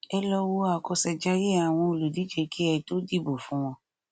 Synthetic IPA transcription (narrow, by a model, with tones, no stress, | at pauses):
ɛ˧lɔ˧wo˧a˨kɔ˧sɛ˧d͡ʒa˦je˦a˨w̃ɔ̃˧o˨lu˨di˨˦d͡ʒe˧ki˦ɛ˧to˦di˦˨bo˨fũ˨˦w̃ɔ̃˧